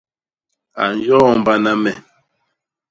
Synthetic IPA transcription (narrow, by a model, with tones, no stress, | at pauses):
a̰˨n˨jɔ˦m˨ba˦na˦mɛ˨